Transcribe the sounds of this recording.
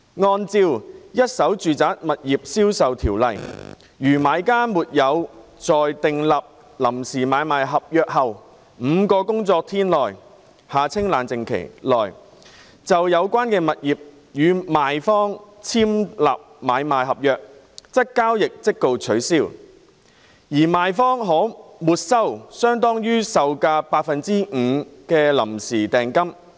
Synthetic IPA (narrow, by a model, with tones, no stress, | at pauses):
ŋɔː˧nt͡siː˧wjɐ˥t̚sɐ˨˥wt͡ʃyː˨t͡saː˨˥t̚mɐ˨t̚jiː˨p̚siː˥wsɐ˨wt̪ʰiː˨˩wlɐ˨j | jyː˨˩maː˨˧jkaː˥muː˨t̚jɐ˨˧wt͡sɔː˨jt̪ɪ˨ŋlɐ˨p̚ | lɐ˨˩msiː˨˩maː˨˧jmaː˨˧jɦɐ˨p̚jœː˨˧k̚hɐ˨w | m̩ː˨˧kɔː˧kʊ˥ŋt͡sɔː˧k̚t̪ʰiː˥nlɔː˨˩j | haː˨˩t͡sʰɪ˥ŋlaː˨˩nt͡sɪ˨˩ŋkʰḛ˨˩jlɔː˨˩j | t͡sɐ˨wjɐ˨˧wkʷwaː˥nkɛː˧mɐ˨t̚jiː˨p̚ | jyː˨˧maː˨jfɔː˥ŋt͡sʰiː˥mla̰ː˨p̚maː˨˧jmaː˨jɦɐ˨p̚jœː˨k̚ | t͡sɐ˥kːaː˥wjɪ˨k̚t͡sɪ˥k̚ːo˧wt͡sʰɵ˨˥ɥsiː˧˥w | jiː˨˩maː˨jfɔː˥ŋɦɔː˨˥muː˨t̚sɐ˥wsœː˥ŋt̪ɔː˥ŋjyː˥sɐ˨wkaː˧paː˧tk̚fɐ˨nt͡siː˥ŋ̩ː˨˧kɛː˧lɐ̰˨˩msiː˨˩t̪ɛː˨˩ŋkɐ˥m